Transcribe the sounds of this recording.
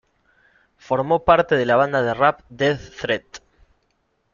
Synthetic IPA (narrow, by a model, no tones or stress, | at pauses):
fo̞ɾmopaɾt̪eðelaβ̞and̪aðerap̚d̪eθθɾet̪